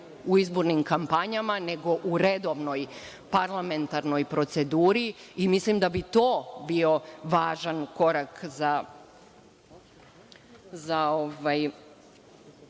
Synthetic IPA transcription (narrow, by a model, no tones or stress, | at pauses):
uizbo̞ɾnimkampaɲamane̞ɡo̞ʔuɾe̞d̪o̞ʋno̞j | paɾlˠame̞nt̪aɾno̞jpɾo̞t̪se̞d̪uːɾiimislimd̪abit̪o̞ːbio̞ʋaːʒanko̞ɾakza | zaoʋaj